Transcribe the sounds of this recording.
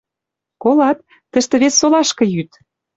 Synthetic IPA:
kolɑt̪̚ːə̆ʃt̪ĕβesːolɑʃkɤ̆jyt̪

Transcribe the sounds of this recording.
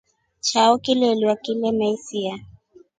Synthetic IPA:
t͡ʃaɔkilɛliwakilɛmɛisia

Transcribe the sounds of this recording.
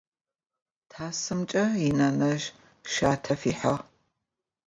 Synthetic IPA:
tʰaːsɨmt͡ʃʼɐinɐnɐʒ | ʃaːtʰɐfiːħɐʁ

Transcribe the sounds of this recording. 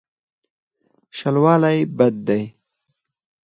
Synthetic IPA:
ʃalwɑːlajbad̪̚ːaj

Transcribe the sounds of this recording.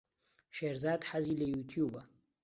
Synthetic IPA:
ʃeːɾzaːd̪ħaziːlɐjut̪ʰjuːbɐ

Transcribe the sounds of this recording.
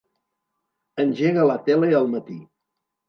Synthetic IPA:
ənʲʒeɣələt̪ɛleəlˠmət̪i

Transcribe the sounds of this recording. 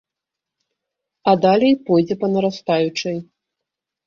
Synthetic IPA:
ɐd̪alʲɛjpɔjd͡zʲɛpɐnɐɾast̪ajut͡ʂɐj

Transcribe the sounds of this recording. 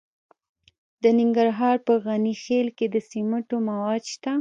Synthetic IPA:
d̪ənɪŋɡaɾɦɑɾpəɣanixelked̪əsiməʈomawɑd̪ʃt̪a

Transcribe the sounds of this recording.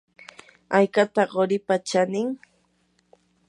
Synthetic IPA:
ajkat̪aɢoɾɪpat͡ʃanɪŋ

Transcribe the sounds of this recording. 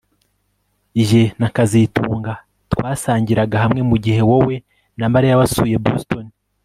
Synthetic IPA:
iʒe̞nakazituːŋɡa | twaːsaːɲɟiɾaɡaɦamŋe̞muɟihe̞wowe̞ | nambaɾejaβasuːje̞bostoni

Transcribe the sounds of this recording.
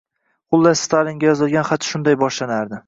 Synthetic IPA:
χʊlˠːast̪ʰaliŋɡʲajɒzɪlˠɡʲanχat̪ʃʊnd̪ajbɒʃlanaɾd̪ɪ

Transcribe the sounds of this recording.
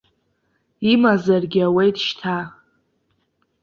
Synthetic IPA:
imazarɡʲɪawejtʼʃtʰa

